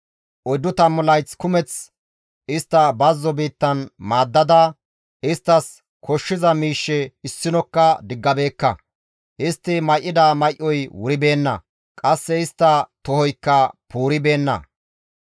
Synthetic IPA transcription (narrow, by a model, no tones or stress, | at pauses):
ʔɔjd̪ːʊt̪ɐmːʊlɐjt͡skʊmɛt͡s | ɪst̪ːɐbɐzːɔbiːt̪ːɐnmaːd̪ːɐd̪a | ʔɪst̪ːɐs | kʰɔʃːɪzɐmiːʃːɛɪsːɪnɔkːɐd̪ɪɡːɐbe̞ːkːɐ̰ | ʔɪst̪ːɪmɐjʔːɪd̪aːmɐjʔːɔjwʊɾɪbe̞ːnːɐ̰ | kʼɐsːɛɪst̪ːɐt̪ɔhɔjkːɐpuːɾɪbe̞ːnːɐ̰